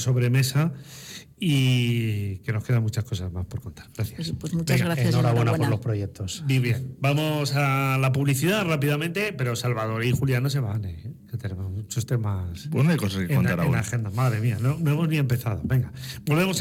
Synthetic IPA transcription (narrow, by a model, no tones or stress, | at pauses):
so̞βɾe̞me̞sa | i | ke̞no̞ske̞ðanmut͡ʃasko̞sazmaspo̞ɾkont̪ḁɾɣɾaθjaswsmut͡ʃeŋɡɣɾanoɾaβwwenapoɾlo̞spɾojek̚t̪o̞sbiβjenbamo̞salapuβliθiðarapiðamẽ̞nt̪e̞pe̞ɾo̞salβað̞o̞ɾixuljanos̬e̞βaneket̪enemozmut͡ʃost̪e̞masbwenekosaskeeonaɾaaxend̪amaðɾemianono̞e̞mo̞znie̞mpe̞θað̞o̞βe̞ŋɡabo̞lβe̞mo̞s